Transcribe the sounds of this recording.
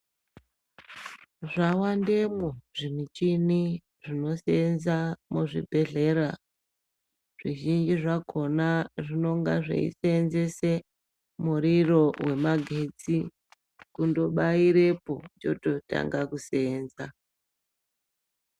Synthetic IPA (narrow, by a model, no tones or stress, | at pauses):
ʐawandemoʐinit͡ʃini | ʐino̞seenzamuʐḭbʱe̞ɮe̞ra | ʐ̥iʒind͡ʒiʐaɡʱo̞naʐino̞ŋɡa̰ʐḛḭseːnze̞se̞ | muɾiro̞we̞maɡʱed͡zi | kundo̞ɓaiɾe̞po̞t͡ʃo̞to̞ta̰ŋɡakuseːnza